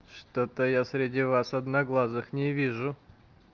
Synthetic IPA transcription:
ʂt̪ot̪əjasɾʲɪdʲivasɐd̪nɐɡlˠazɨxnʲɪvʲiʐʊ

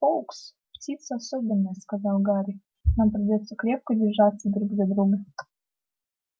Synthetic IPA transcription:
folˠks | ptʲit̪səɐsobʲɪnːəjəskɐzɑlˠɡaɾʲɪ | nampɾʲɪdʲo̞t̪sːəkɾʲe̞p̚kədʲɪrʐat̪səd̪ɾuɡzad̪ɾuɡə

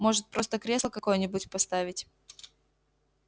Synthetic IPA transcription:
mo̞ʐɨt̪̚pɾo̞st̪əkɾʲe̞slˠəkɐko̞jənʲɪbʊtʲpɐst̪avʲɪtʲ

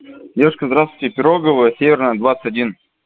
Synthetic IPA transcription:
dʲevʂkəzd̪ɾast̪vʊɪtʲɪjpʲɪɾoɡəvɨjəsʲevʲɪrnəd̪vat̪sɨ̥tʲɐdʲin

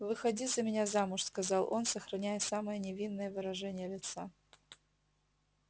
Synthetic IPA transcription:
vɨxɐdʲizəmʲɪnʲazamʊʂskɐzɑlˠʔo̞nsəxɾɐnʲæjəsaməjənʲɪvʲinːɨjəvɨɾɐʐɛnʲɪjəlʲɪt̪sa

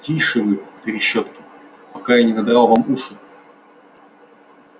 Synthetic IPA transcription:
tʲijʂɨvɨp̪ʲɪɾʲɪɕːot̪kʲɪ̥ | pɐkajanʲɪnɐd̪ɐvalˠvamuʂɨ

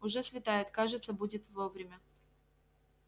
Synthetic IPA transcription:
ʊʐɛsvʲɪt̪ajɪt̪kaʐɨt̪səbudʲɪt̪vovɾʲɪmʲə

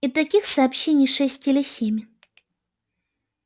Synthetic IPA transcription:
it̪ɐkʲixsɐːpɕːenʲɪjʂɛsʲtʲɪlʲɪsʲemʲ

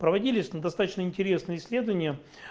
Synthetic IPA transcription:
pɾəvɐdʲilʲɪsʲnəd̪ɐst̪at̪ət͡ɕnəɪnʲtʲɪɾʲe̞snɨjəɪsʲlʲe̞d̪əvənʲɪjə

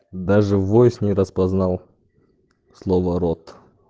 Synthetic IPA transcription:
d̪aʐɨvojsnʲɪɾəspɐznɑlˠ | slˠovəɾot̪

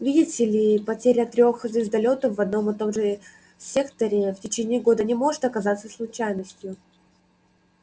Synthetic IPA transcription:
vʲidʲɪtʲɪlʲɪpɐtʲeɾʲət̪ɾʲo̞xɨzɪzd̪ɐlʲo̞t̪əfːɐd̪̚no̞mɨt̪o̞mʐɨ | sʲe̞kt̪əɾʲɪftʲɪt͡ɕenʲɪːɡo̞d̪ənʲɪmo̞ʐɨ̥t̪ɐkɐzat̪səslˠʊt͡ɕæjnəsʲtʲjʊ

